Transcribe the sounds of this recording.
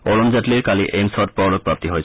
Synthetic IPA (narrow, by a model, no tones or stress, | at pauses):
ɔɹɔmzatliɹkaliʔejmsɔt̚pɔlɔk̚pɹap̚tiɦoj